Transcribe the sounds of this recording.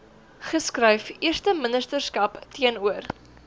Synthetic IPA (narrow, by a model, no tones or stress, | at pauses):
χəskrɐjfiərstəmənəstərskɐptʰiənuər